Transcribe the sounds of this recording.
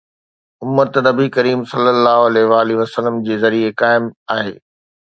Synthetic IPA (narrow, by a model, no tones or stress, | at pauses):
ʊmːət̪nɐbikɐɾiːmsɐlːəlːaːɦʊɐlɛːɦʋaːliʋɐsələmd͡ʑeːzɐɾiekaːɪmaːɦḛː